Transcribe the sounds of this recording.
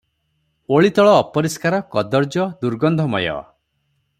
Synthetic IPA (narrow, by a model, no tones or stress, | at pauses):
oɭit̪ɔɭɔːpɔɾiskaɾɔkɔd̪ɔɾd͡ʒɔd̪uɾɡɔnd̪ʱɔmɔjɔ̰